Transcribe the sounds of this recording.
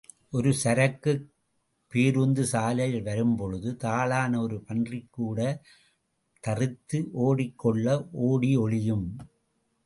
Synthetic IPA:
ʔɔɾɯsɐɾɐkːɯ | pːiɾund̪ɯsaːlɐjɪlʋɐɾɯmpɔɻɯðɯt̪aːlaːnɐɔɾɯpɐndrɪkːuːɽɐ | t̪ɐrɯt̪ːɯʔoːɽɪkːɔɭːɐʔoːɽiɔɭɪjɯm

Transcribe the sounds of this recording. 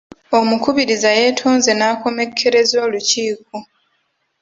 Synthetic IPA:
o̞mukuβiɾizaje̞ːtʰoːnze̞naːko̞me̞kʰːe̞ɾe̞zoːluciːk̚u

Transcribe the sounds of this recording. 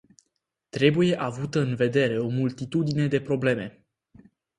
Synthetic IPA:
t̪ɾe̞buje̞ʔavut̪əɨnve̞d̪e̞ɾe̞o̞mult̪it̪ud̪ine̞d̪e̞pɾo̞ble̞me̞

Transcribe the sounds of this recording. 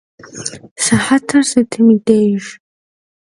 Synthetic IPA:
saħatʰɨrsatʰɨmidejʒ

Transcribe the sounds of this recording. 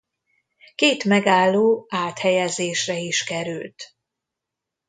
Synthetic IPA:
keːt̪mɛɡaːlːoːaːt̪hɛjɛzeːʃrɛiʃkɛɾylt̪

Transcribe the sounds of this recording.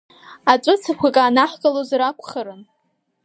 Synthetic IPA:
at͡ʃʷʼʊt͡sʰakʷʰakʼaːnaħɡʼalozɾakʷʰʼχaɾɨn

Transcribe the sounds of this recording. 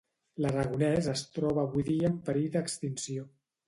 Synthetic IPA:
lərəɣunɛzəst̪ɾɔβəːβujðiəːmpəɾid̪əkst̪insio

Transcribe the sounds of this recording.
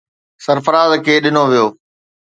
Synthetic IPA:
sɐɾfəɾaːzkʰeːɗɪnoʋijoː

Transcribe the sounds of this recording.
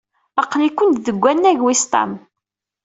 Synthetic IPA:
ɑqlikʷːʊnt̪ðəɡʷːænːæʝwist̪ˤɑ̰m

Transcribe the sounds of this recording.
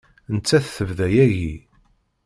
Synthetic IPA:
ənt͡sːæθθəvðæjæʝi

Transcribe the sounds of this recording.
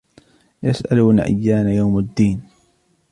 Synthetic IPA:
jasʔalunaʔa̰jːaːnajawmad̪ːiːn

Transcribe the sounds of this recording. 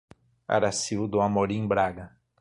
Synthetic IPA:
a̰ɾasiwd̪ʊamoɾĩbɾaɡɐ

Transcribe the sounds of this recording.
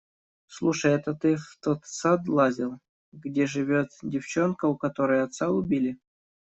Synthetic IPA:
slˠuʂəjɛt̪ət̪ɨft̪ot̪sad̪lˠazʲɪlˠ | ɡdʲeʐɨvʲot̪dʲɪft͡ɕo̞nkəʊkɐt̪o̞ɾəjəɐt̪saʊbʲilʲɪ

